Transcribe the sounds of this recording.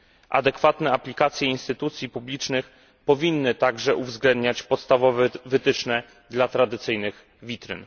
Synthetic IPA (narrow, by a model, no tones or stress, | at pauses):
ʔa̰d̪ɛkfat̪nɛaplʲikat̪sʲjɛinst̪ɘt̪ut̪sʲjipublʲit͡ʂnɘx | pɔvʲinːɘt̪aɡʐɛʔuvzɡlɛnd̪ɲat͡ɕpɔt̪st̪avɔvɛvɘt̪ɘt͡ʂnɛ | d̪lat̪ɾad̪ɘt̪sɘjnɘɣ | vʲit̪ɾɘ̰n